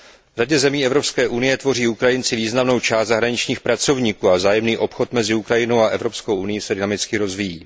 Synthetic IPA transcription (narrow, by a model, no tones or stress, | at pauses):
vr̝aɟɛzɛmiːɛvɾo̞pskɛːʔunɪjɛt̪vo̞riːukɾajɪnt͡sɪviːznamno̞wt͡ʃaːst̪zaɦɾaɲɪt͡ʃɲiːxpɾat͡so̞vɲiːkuːazaːjɛmniːʔo̞pxo̞t̪mɛzɪukɾajɪno̞waʔɛvɾo̞psko̞wʔunɪjisɛdɪnamɪt͡skɪɾo̞zvijḭː